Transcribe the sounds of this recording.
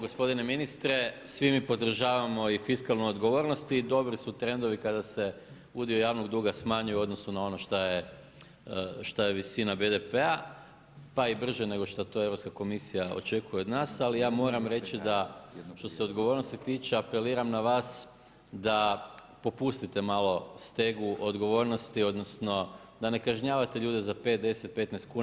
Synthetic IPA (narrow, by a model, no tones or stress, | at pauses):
ɡospo̞d̪ine̞minist̪ɾe̞sʋimipod̪r̩ʒaːʋamo̞ifiskalˠnojo̞d̪ɡo̞ʋo̞ːɾnost̪iːd̪o̞bɾisut̪ɾe̞nd̪o̞ʋikad̪ase̞ | ud̪iojaːʋno̞ɡd̪uːɡasmaːɲujuo̞d̪nosunao̞no̞ʃt̪aje | ʃt̪ajeʋisinabed̪epea | paibr̩ʒene̞ɡo̞ʃt̪at̪o̞eɾopskako̞misijao̞̰t͡ʃe̞kuje̞od̪naːsalijaːmo̞ɾamɾe̞t͡ʃid̪aʃt̪o̞seo̞d̪ɡo̞ʋo̞ɾnost̪it̪iːt͡ʃeape̞liːɾamnaʋaːs | d̪a | po̞pust̪it̪e̞malo̞st̪e̞ɡuʔod̪ɡo̞ʋo̞ɾnost̪io̞d̪nosno̞ | d̪ane̞kaʒɲaːʋat̪e̞ʎuːd̪ezape̞ːt̪̚d̪e̞set̪̚pe̞t̪nɛjst̪̚kuː